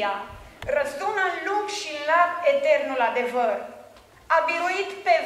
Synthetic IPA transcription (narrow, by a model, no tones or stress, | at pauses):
arəzunəlukʃilaket̪e̞rnulad̪e̞vər | abiɾuit̪pe̞